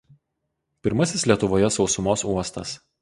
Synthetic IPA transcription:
pʲɪɾmɐsʲɪslʲiɛt̪ʊʋoːjɛsɒʊsʊmoːsuɔst̪ɐ̰s

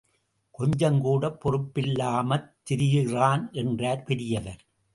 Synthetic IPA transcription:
kɔɲd͡ʒɐŋɡuːɽɐpːɔrɯpːɪlːaːmɐt̪ːɪɾɪjɪraːnʔɛndraːɾpɛɾɪjɐʋɐɾ

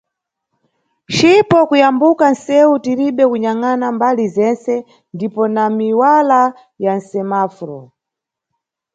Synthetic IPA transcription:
t͡ʃipɔkujambukansɛutiɾiɓɛkuɲaŋanambalizɛnsɛ | ndipɔnamiwala | jan̩sɛmafɾɔ

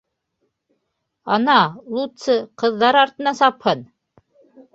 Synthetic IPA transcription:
ɑnɑlˠut̪sɤqɤ̆ðːɑɾɑɾt̪ɤ̆nɑsɑphɤn

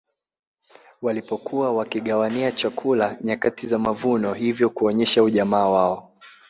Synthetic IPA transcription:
walipɔkuwawakiɠawaniat͡ʃakʰulaɲakatizamavunɔhivjɔkuɔɲɛʃauʄamaːwaɔ

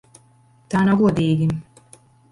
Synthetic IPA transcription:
t̪anaɡud̪iːɡin

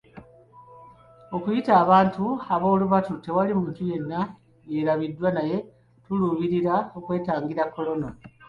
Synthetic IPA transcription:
o̞kujitaːβaːntuaβo̞ːluβatute̞walimuːntuje̞nːa | je̞ɾaβidːwanaje̞ | tuluːβiɾiɾao̞kwe̞ːtaːŋɡiɾakːo̞lo̞na

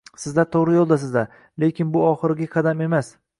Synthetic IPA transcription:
sɪzd̪at̪ʰoʁɾɪjolˠd̪asɪzd̪a | le̞kʲʰɪnbʊɒχɨɾɪɡʲaqʰɑd̪ame̞mas

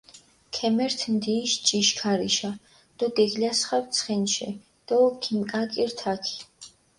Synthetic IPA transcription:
kʰɛmɛɾt̪ʰmd̪iːʃt͡ʃʼiʃkʰaɾiʃa | d̪̥ɔɡɛɡlasχawt̪sʰχɛnʃɛ̰ | d̪̥ɔkʰimkʼakʼiɾt̪ʰakʰi̥

